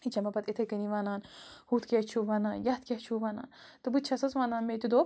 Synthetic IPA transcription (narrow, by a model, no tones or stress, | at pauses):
it͡ʃɐmɐbɐt̪it̪ʰɐkɐniʋaːnaːnhut̪kʲet͡ʃʰuʋaːnaːnjɐt̪kʲeht͡ʃʰuːʋaːna̰ːnt̪ɨbɨt̪̚t͡ʃʰɐsɐsʋaːnaːnmet̪ud̪oː